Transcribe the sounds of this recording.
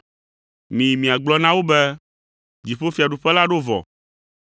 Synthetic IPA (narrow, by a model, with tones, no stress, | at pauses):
mĩ˨mĩ˨a˨ɡ͡blɔ˦nã˦wo˦bɛ˦ | d͡ʑi˨ɸo˦fi˨a˨ɖu˨ɸɛ˦la˦ɖo˦vɔ̰˨